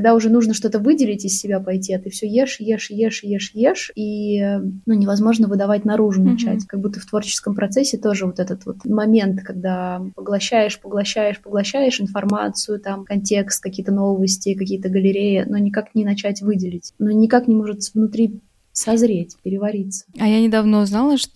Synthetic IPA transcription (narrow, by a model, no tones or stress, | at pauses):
kɐɡd̪aʊʐɛnuʐnəʂt̪o̞t̪əvɨdʲɪlʲɪtʲɪsːʲɪbʲapɐjtʲiɐt̪ɨfsʲɵjeʂjeʂjeʂjeʂjeʂi | nunʲɪvɐzmo̞ʐnəvɨd̪ɐvatʲnɐɾuʐʊnɐt͡ɕæ̰tʲkɐɡ̚but̪ːəft̪vo̞rt͡ɕɪ̥skəmpɾʔɐt̪sɛsʲːɪt̪o̞ʐɨvo̞t̪ɛt̪ət̪vo̞̰t̪mɐmʲe̞nt̪kɐɡ̚d̪apəɡlˠɐɕːæjɪʂpəɡlˠɐɕːæjɪʂpəɡlˠɐɕːæjɪʂɨnfɐrma̰t̪sɨjʊt̪amkɐnʲtʲe̞kst̪̚kɐkʲijət̪əno̞vəsʲtʲɪkɐkʲijət̪əɡəlʲɪɾʲejɪnonʲɪkaknʲɪnɐt͡ɕætʲvɨdʲɪlʲɪtʲnonʲɪkaknʲɪmo̞ʐɨt̪vnʊt̪ɾʲi | sɐzɾʲetʲpʲɪɾʲɪvɐɾʲit̪sə̥ɐjanʲɪd̪ɐvnoznalˠəʂ